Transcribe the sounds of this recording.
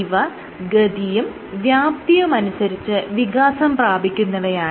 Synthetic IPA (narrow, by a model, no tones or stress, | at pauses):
ʋɐ | ɡɐd̪ijum | ʋjaːp̚t̪ijumɐnusɐɾit͡ɕːɨʋiɡaːsɐmpraːbʱikʲːunːɐðɐjaː